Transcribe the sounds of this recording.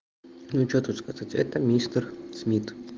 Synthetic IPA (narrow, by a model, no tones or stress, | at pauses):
nut͡ʃot̪ut̪skazatʲɛ̰t̪əmʲist̪ərsmʲit̪